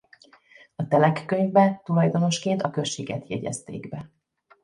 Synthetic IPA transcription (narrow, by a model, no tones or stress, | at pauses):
ɒt̪ɛlɛkːøɲvbɛt̪ulɒjd̪o̞no̞ʃkeːnt̪ɒkøʃːeːɡɛt̪jɛɟɛ̰st̪ḛːɡbɛ